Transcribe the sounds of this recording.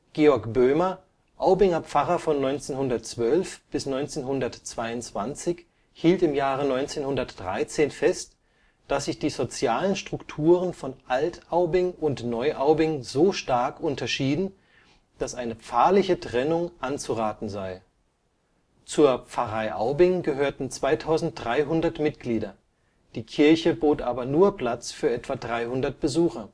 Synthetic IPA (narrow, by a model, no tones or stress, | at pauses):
ɡ̥eːɔɐkb̥øːmɐ | ʔaʊbɪŋɐp͡faʁɐfɔnːɔʏnt͡seːnhʊndɐtt͡sv̥œlfb̥ɪsnɔʏnt͡seːnɦʊndɐtt͡sv̥aɪʊntt͡sv̥ant͡sɪç | hiːltɪmjaːʁənɔʏnt͡seːnhʊndɐtd̥ʁa̰ɪt͡seːnfɛst | d̥asz̥ɪçd̥iːzot͡sjaːlənʃtʁ̥ʊktʰuːʁənfɔnʔaltaʊbɪŋʊntnɔʏʔaʊbɪŋzoːʃtaɐkʔʊntɐʃiːdn̩ | d̥asʔaɪnəpp͡faːɐlɪçətʁ̥ɛnʊŋʔant͡suʁaːtn̩zaɪ | t͡suːɐp͡fɐʁaɪʔa̰ʊbɪŋɡəɦøːɐtn̩t͡sv̥aɪtʰaʊzn̩t̚d̥ʁaɪɦʊndɐtmɪtɡ̥liːdɐ | d̥iːkʰɪɐçəboːtʔaːbɐnuːɐpl̥at͡sfyːɐʔɛtv̥adʁaɪhʊndɐt̚b̥əzuːxɐ